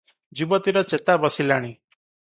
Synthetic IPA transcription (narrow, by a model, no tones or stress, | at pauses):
d͡ʒibɔt̪iɾɔt͡ʃet̪abɔsilaɽ̃i